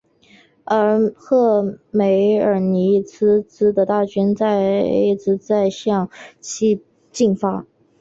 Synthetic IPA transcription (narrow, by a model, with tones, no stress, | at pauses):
ə˧˥xɤ˥˩me˧˥ɪə˞˨˩ni˧˥t͡sʰɹ̩˥t͡sɹ̩˥d̪ə˨t̪a˥˩t͡ɕʰɛ˥nt͡sa˥˧ɪḛ˥t͡sɹ̩˧˥t͡sa˥˧ɪɕjɑ˥˩ŋt͡ɕʰi˥˧ | t͡ɕi˥˩ŋfa˥